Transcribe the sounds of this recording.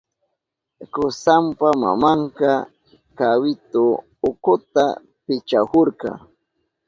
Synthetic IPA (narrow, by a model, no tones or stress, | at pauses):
kʊsampama̰maɴkɑ | kawɪt̪ʊ | ʊkʊt̪a̰ | pɪt͡ʃahoɾkɑ̰